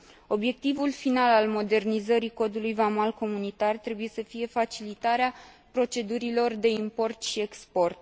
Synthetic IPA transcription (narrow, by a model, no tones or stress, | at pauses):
o̞bje̞k̚t̪ivulfinalalmo̞d̪e̞rnizəɾiko̞d̪ulujvamalko̞munit̪art̪ɾe̞buje̞səfije̞fat͡ʃilit̪aɾea | pɾo̞t͡ʃe̞d̪uɾilo̞rd̪e̞impo̞rt̪ʃie̞kspo̞rt̪̚